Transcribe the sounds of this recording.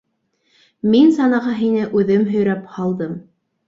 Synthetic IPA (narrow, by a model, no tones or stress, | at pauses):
minsɑnɑʁɑɦinɘʔʉðɘmɦɵ̆jɾæphɑlˠd̪ɤm